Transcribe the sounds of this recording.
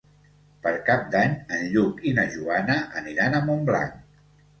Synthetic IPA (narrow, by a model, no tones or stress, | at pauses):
pəɾkap̚d̪aɲənʎukinəʒuanəʔəniɾanəmombla̰ŋ